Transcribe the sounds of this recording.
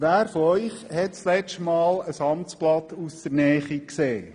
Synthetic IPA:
ʋæːɾfɔœʏχhɛtslɛt͡ʃtmɑːləsɑmt͡splɑtusd̪̥əɾnɛːχikseː

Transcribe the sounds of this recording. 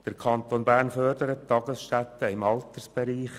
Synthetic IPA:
d̥əɾkʰɑnt̪onbæːrnfœɾdəɾəttːɑɡəsʃtæt̪ːəɪmɑlt̪ərsb̥ɛɾiːχ

